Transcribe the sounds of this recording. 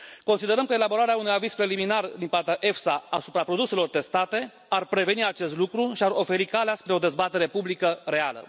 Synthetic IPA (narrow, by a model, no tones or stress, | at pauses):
ko̞nsid̪e̞ɾəmkəe̞labo̞ɾaɾeaunujaviz̥pɾe̞liminard̪impart̪eaʔe̞fsaasupɾapɾo̞d̪use̞lo̞rt̪e̞st̪at̪e̞ | arpɾe̞ve̞niat͡ʃe̞st̪lukɾuʃiaro̞fe̞ɾikaleaspɾe̞o̞d̪e̞zbat̪e̞ɾe̞publikəɾe̞a̰lə̰